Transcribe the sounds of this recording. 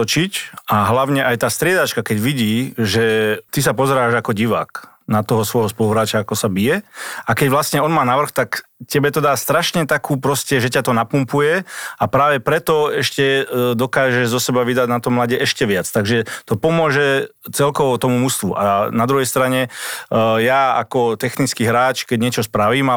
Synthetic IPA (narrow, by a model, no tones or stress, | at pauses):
ɔt͡ʃicaɦlaʊɲɛʔajt̪aːst̪ɾɪɛd̪at͡ʃkakɛɟʋiɟiːʒɛt̪is̬apɔzɛɾaːʒakɔɟiʋa̰ːk | nat̪ɔɦɔsʋɔjɦɔspɔluɦɾaːt͡ʃaakɔsabijɛakɛɟʋlasɲɛɔnmaːnaʋr̩xt̪akcɛbɛt̪ɔd̪aːst̪ɾaʃɲɛt̪akuːpɾɔscɛʒɛcat̪ɔnapumpujɛapɾaːʋɛpɾɛt̪ɔɛʃcɛd̪ɔkaːʒɛʒzɔsɛbaʋid̪aɟnat̪ɔmlaɟɛɛʃcɛʋɪat͡st̪aɡʒɛt̪ɔpɔmʊɔʒɛt͡sɛlkɔʋɔt̪ɔmumust̪ʋuʔa̰nad̪ɾuɦɛjst̪ɾaɲɛ | jaːa̰kɔt̪ɛxnit͡skiɦɾaːt͡ʃkɛɟɲɪɛt͡ʃɔspɾaʋiːma